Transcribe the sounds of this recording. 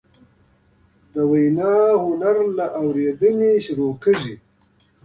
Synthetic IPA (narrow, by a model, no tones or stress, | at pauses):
d̪əwajnɑhʊnaɾlaʔawɾed̪əneʃʊɾokəʐi